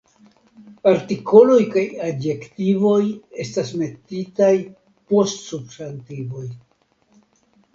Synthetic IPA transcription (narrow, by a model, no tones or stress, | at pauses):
paɾtiko̞lo̞jkajadje̞ktivo̞je̞stasme̞titaj | po̞stsubsantivo̞j